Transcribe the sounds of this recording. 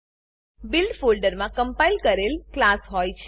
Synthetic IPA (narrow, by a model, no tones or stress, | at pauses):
bilɖfolɖəɾmãkəmpailkəɾelklasɦojt͡ʃʰe